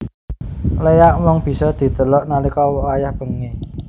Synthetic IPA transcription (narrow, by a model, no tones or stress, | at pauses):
lejaʔmɔŋb̥i̤sɔd̪̥i̤t̪əlɔʔnalikɔwɔwajahb̥ə̤ŋe